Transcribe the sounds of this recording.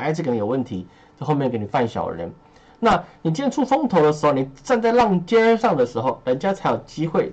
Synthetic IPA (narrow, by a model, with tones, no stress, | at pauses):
a˧˥t͡sɹ̩˨˧˩kni˧˨jo˨˩wə˥˩nt̪ʰi˧˦˥ | t͡ɕo˥˧xo˥˧mjɛ˥˩ke˧˥ɪni˨˩fa˥˩nɕjɑ̰˨˩ʊɻə̰˧˦n | na˥˩˨ni˨˩t͡ɕjɛ˥˧nʈ͡ʂʰu˥˩fʊ˥ŋt̪ʰo˧˥ʊd̪ə˧ʂɻ̩˧˥xo˧ʊni˨˩ʈ͡ʂa˥˧nt͡sa˥˧ɪlɑ˥˧ŋt͡ɕjɛ˥ə˥ʂɑ˥˩ŋd̪ə˩ʂɻ̩˧˥xo˥˧ʊɻə˧˦˥nt͡ɕja˥t͡sʰa˧˥ɪjo˨˩ʊt͡ɕi˦˥xwe˥˩ɪ